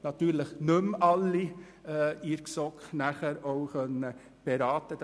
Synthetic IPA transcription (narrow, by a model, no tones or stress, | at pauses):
nɑt̪yːɾləχnɵmɑlːi | iɾksɔkχnæχəɾowχœnə | b̥eɾɑːt̪əd